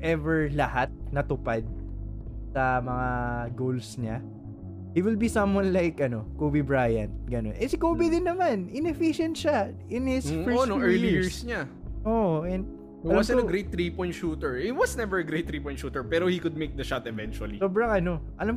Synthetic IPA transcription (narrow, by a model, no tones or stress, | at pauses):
ʔɛvɛɹlɐhat̪̚nɐt̪ʊpad̪̚ | sɐmɐŋaɡowlsɲa | hiwɪlbisɐ̃mwɐnlajkʔɐno̞kovɪbɹaːjɐ̰nt̪̚ɡɐno̞̰nʔɛsɪkoːbɪd̪ɪnːɐmanʔɪnɛfiʃɛ̃nt̪ʃat̪ɪ̃nhɪsfɛɹonoɛɹliɪɹsɲa | ʔoʔʔɛnd̪ | lwɐmsɪnɐɡɾejt̪̚ːɾipɔ̃j̃t̪ʃuːt̪ɛɹhɪt̪̚wɐsnɛvɛɹɐɡɾejt̪ːɾipɔ̃j̃t̪ʃuːt̪ɛɹpɛːɾohikʊd̪̚mejk̚d̪ɐʃat̪ɛvɛ̃nt͡ʃuɐlisoːbɾɐŋʔɐno̞ʔɐlam